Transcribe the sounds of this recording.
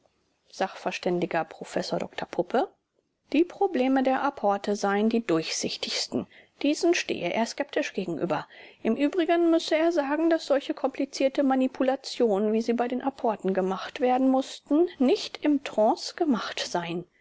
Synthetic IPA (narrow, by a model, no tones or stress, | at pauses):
z̥aχfɛɐʃtɛndɪɡɐpʁ̥ofɛsoːɐdɔ̰ktʰɐpʰʊpʰə | d̥iːpʁ̥obleːmədeːɐʔapʰɔɐtʰəzaɪəndiːdʊɐçz̥ɪçtɪçstn̩d̥iːzn̩ʃtḛːəʔḛːɐskɛp̚tɪʃɡ̥eːɡŋ̩ʔy̰ːbɐʔɪmʔyːbʁɪɡənmʏsəeːɐzaːɡŋ̩dasz̥ɔlçəkʰɔmplit͡siːɐtəmanipʰulat͡sjoːnənviːziːbaɪdeːnʔapʰɔɐtn̩ɡəmaχtv̥eːɐdn̩mʊstn̩nɪçtɪmtʁ̥ɔ̃ːsɡ̥əmaχtz̥aɪən